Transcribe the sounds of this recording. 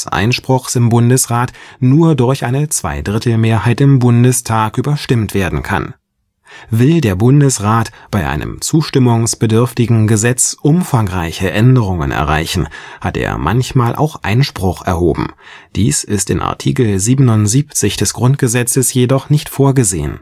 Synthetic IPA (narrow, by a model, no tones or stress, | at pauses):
sʔa̰ɪnʃpʁ̥ʊχsɪmbʊndəsʁaːtnuːɐdʊɐçʔaɪnət͡sv̥a̰ɪdʁɪtl̩meːɐhaɪtɪmbʊndəstʰaːkʔyːbɐʃtɪmtv̥eːɐdn̩kʰa̰n | vɪldeːɐbʊndəsʁaːtb̥aɪʔa̰ɪnə̰mt͡suːʃtɪmʊŋsb̥ədʏɐftɪɡŋ̩ɡəzɛt͡sʔʊmfaŋʁaɪçəʔɛndəʁ̞ʊŋə̰nɛ̰ɐʁa̰ɪçn̩hatḛːɐmʔa̰nçmaːlʔa̰ʊxʔa̰ɪnʃpʁ̥ʊχɛ̰ɐhoːbm̩ | d̥ḭːsɪstɪ̰nʔa̰ɐtʰḭːkl̩ziːbənʊntz̥iːpt͡sɪçd̥ɛsɡ̥ʁʊnt̚ɡ̥əzɛt͡səsjedɔχnɪçtfoːɐɡəzḛːə̰n